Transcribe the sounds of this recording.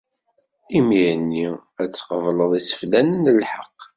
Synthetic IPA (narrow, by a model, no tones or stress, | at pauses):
imiənːiæt͡sːqəvləðˤisə̥flænənəlħəqː